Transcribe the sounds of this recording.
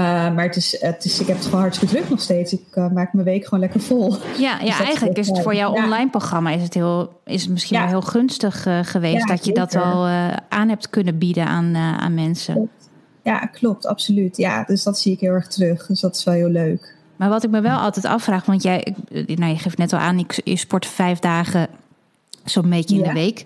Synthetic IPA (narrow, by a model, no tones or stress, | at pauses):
əmaːɹətɪsətɪsɪkɦɛpətχonɦɑɹtsləkədrøknɔxsteːtsɪkmaːkmənʋejkχoːnlɛkəɹv̥ɔlˠjajaɛjxənləkɪsətfoːɹjawɔnlajnproxrɑmaɪsəthɪlˠ | ɪsətmɪskinʋɛlˠɪːlˠxønstəxχəʋeːsdɔtjədɔtɔlˠʔaːnɦɛp̚tkønəbidəʔa̰ːna̰nmɛnsə̰ | ja̰klɔp̚tʰɑ̰psolytja̰døsdɔtsiɪkɦɪːlˠɛɹxtrøxdəsdɔtɪ̥sʋɛlˠɦɪːlˠøːk | maːɹʋɔtɪk̚məʋɛlˠʔɔ̰lˠtɛtɑ̰fraːχʋɔntjɛjɪnajəχeːftnɛtɔlˠa̰ːnɪkɪ̰spɔɹtəfɛjfdaːɣə | somekəɪndəʋejk